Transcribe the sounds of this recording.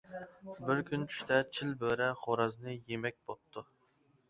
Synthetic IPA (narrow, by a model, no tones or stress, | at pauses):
bɪɾkʲʰynt͡ʃʰy̥ʃt̪ʰɛt͡ʃʰilbøɾɛχoɾɑznɨjemɛk̚ʲbot̪ʰːu